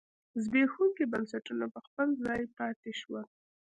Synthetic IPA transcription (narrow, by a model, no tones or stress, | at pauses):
zbexuŋkibansaʈunapəxpəlzɑjpɑt̪eʃwəl